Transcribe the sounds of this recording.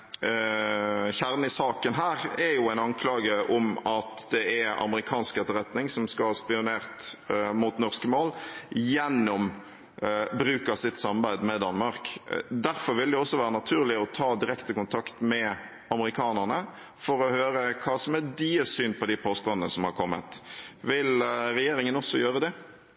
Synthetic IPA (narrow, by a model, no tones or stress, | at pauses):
çæɾnɪsɑːkənɦæːʁɛjʊæɪnɑŋkʰlɑːɡəʔɔmɑt̪d̪ɛæɑ̰məɾɪkʰɑːnsket̪əɾɛt̪nɪŋsɔmskɑlhɑːspɪʊneːʁt̪muːt̪nɔʁskəmoːljɛnːɔm | bɾʉːkɑsɪt̪sɑmɑʁbæɪd̪mɛd̪ɑnmɑʁkd̪æɾfɔɾʋɪld̪ɛɔsːɔʋæːɾənɑt̪ʰʉːɾlɪɔt̪ʰɑːd̪ɪɾɛkt̪əkʊnt̪ʰɑkt̪mɛ | ɑməɾɪkʰɑːnəʁɳə | fɔɾɔhøːɾəkʰɑːsɔmæd̪iːəsyːnpʰɔd̪ɪpʰoːst̪ɔnənəsɔmhɑɾkʰɔmːə̰t̪ʋɪlɾɛjeːɾɪŋənɔsːɔjøːɾəd̪ɛ